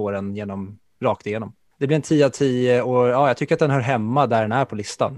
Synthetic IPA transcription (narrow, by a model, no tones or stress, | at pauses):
oːɾɛnjeːnɔm | ɾɑːk̚t̪ɪjeːnɔm | d̪̥ɛblɪɾɛnt̪ʰiːat̪ʰiːəojɑːjaɡ̚t̪ʏkːəɾat̪̚d̪ɛnɦœːɾɦɛmːad̪æɖɛnæɾpʰɔlɪst̪a̰n